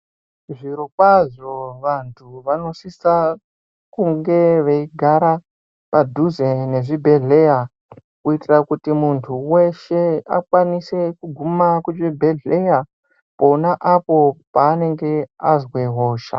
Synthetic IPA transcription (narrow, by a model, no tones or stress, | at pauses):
ʐiɾo̞kwaʐo̞ʋantʰuʋano̞sisa | kuŋɡe̞ʋeiɡʱaɾa | padʱuzene̞ʐibʱe̞ɮe̞ja | kuitirakutimuntʰuwe̞ʃe̞a̰kwanise̞kuɡʱumakuʐibʱe̞ɮeja | ponaʔapo̞paːne̞ŋɡe̞azweɦo̞ːʃa̰